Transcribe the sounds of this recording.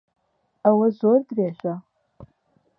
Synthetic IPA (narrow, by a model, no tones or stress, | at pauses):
awɐzordraʃʷᶣa